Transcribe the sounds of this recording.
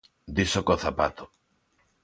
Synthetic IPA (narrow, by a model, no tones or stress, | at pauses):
d̪isokoθapat̪o̥